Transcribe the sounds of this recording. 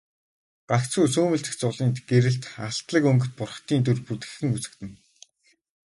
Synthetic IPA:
ɢ̥akt͡suːsuːmɘ̆ɬt̪ɘ̆xt͡sʊɮiːnt̪ɡ̥eɾɘ̆ɬt̪aɬt̪ɮə̆kɵŋɡɵ̆t̪̚pʊrχt̪iːnt̪urput̪ɡɘ̆xɘ̆ŋut͡sɘ̆t̪ɘ̆n

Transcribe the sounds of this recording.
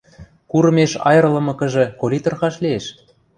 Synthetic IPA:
kuɾɤ̆meʃɑ̰jɤ̆ɾ̆lɤ̆mɤ̆kə̆ʒĕkolʲit̪ŏrxɑʃlieʃ

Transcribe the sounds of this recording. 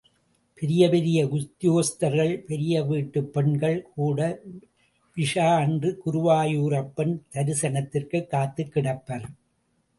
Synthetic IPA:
pɛɾɪjɐpɛɾɪjɐɡʊt̪ːɪjoːst̪ɐɾɣɐɭpɛɾɪjɐʋiːʈːɯpːɛɳɡɐɭkʰuːɽɐ | ʋɪʂaːndrɯkʊɾʊʋaːjuːɾɐpːɐnt̪ɐɾɪsɐnɐt̪ːɪrkɯkːaːt̪ːɯkːɪɽɐpːɐɾ

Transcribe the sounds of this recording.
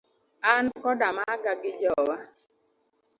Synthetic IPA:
ankɔdamaɡaɡɪd͡ʒɔwa

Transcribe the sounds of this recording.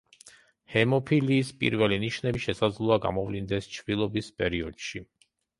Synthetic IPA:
hɛmɔpʰiliːspʼḭɾvɛliniʃnɛiʃɛsad̪zlˠuaɡa̰mɔvlind̪ɛst͡ʃʰvilˠɔbispʼɛɾiɔd̪̥ʃi

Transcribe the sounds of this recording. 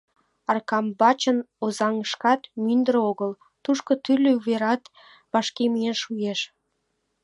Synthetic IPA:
ɑrkɑmbɑt͡ɕə̆n | ozɑŋəʃkɑt̪mynd̪əɾoɣəl | t̪uʃkot̪ylʲːøveɾɑt̪ | βɑʃkemienʃujeʃ

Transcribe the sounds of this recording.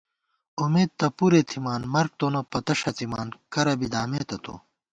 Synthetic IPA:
umeːt̪̚t̪ɐpuɾet̪ʰimaːnmɐɾk̚t̪onɐpɐt̪ɐɕɐt͡simaːnkɐɾɐbid̪aːmeːt̪ɐt̪o̰

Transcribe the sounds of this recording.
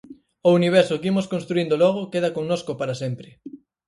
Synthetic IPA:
ouniβ̞ɛɾsʊkimoskõnst̪ɾuind̪olɔɣ̞okeð̞akoŋnoskopaɾasempɾɪ

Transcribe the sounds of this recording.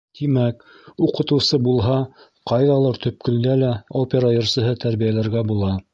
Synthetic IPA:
t̪imæk | uqɤ̆t̪ɤ̆wsɤbulˠɦɑ | qɑjðɑlˠɤɾt̪ʰɵ̆p̚kɵ̆nd̪ælæopʲeɾajŏɾsɤ̆ɦɤt̪æɾβijælæɾɡæbulˠɑ

